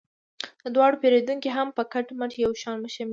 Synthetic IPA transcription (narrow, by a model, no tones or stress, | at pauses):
əd̪wɑɽopeɾed̪uŋkiɦampəkaʈməʃjawʃɑnməʃam